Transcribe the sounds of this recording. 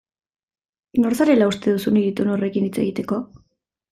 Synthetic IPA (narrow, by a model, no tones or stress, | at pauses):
no̞ɾsaɾe̞laust̪e̞ðusuniðit̪uno̞re̞kinit͡se̞̰ɣit̪e̞ko̞